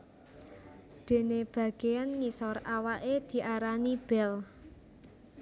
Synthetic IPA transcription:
d̪̥e̤neb̥ä̤ɡ̥eanŋisɔrawaʔed̪̥i̤ʔaɾanib̥ɛl

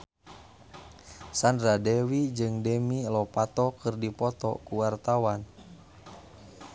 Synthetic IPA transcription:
sandɾadɛwid͡ʒɨŋdɛmilɔpat̪ɔkɨrdipɔt̪ɔ̰kuwart̪awan

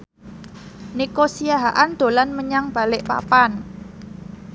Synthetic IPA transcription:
nikosiaɦaʔand̪̥o̤lanməɲaŋb̥a̤lɪʔpa̰pan

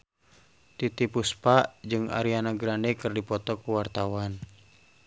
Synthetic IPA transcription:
t̪it̪ipuspad͡ʒɨŋa̰ɾianaɡɾandɛkɨrdipɔt̪ɔkuwart̪awan

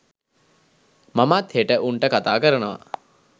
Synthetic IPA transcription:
mamat̪heʈəʔuɳʈəkat̪aːkəɾənəʋa̰

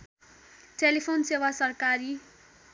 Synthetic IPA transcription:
ʈelipʰonsewasʌrkaɾi

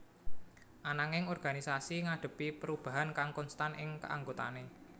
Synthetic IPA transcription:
ʔanaŋɪŋɔrɡ̥a̤nisasiŋaɖ̥ə̤pipəɾub̥a̤ɦankaŋkɔnst̪anɪŋkə̰a̰ŋɡot̪a̰ne

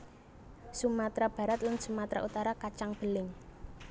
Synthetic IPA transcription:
sumat̪ɾab̥ä̤ɾat̪lansumat̪ɾa̰ʔut̪aɾakat͡ʃaŋb̥ə̤lɪŋ

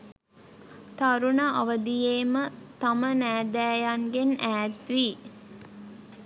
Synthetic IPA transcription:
t̪aɾunaʔaʋəd̪ijeːmət̪amənæːd̪æːjaŋɡenæːt̪ʋi

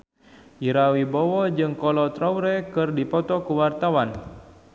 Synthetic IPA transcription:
iɾawibɔwɔd͡ʒɨŋkɔlɔt̪ɾawɾɛkɨrdipɔt̪ɔkuwart̪awan

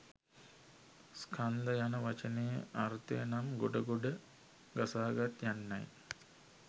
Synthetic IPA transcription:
skʰand̪əjanəʋat͡ʃənejə̰aɾt̪ḛjənamɡoɖəɡoɖə | ɡasaːɡat̪janːa̰j

